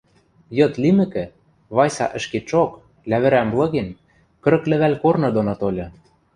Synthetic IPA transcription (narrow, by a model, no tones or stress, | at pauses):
jɤ̆t̪limɘ̆kɘ̆ | βɑjsɑ̰ʔɘ̆ʃket͡ʃok | læβɘ̆ɾæmblˠɤ̆ɣen | kɤ̆ɾɤ̆klɘ̆βælʲkornɤ̆d̪onot̪olʲɤ̆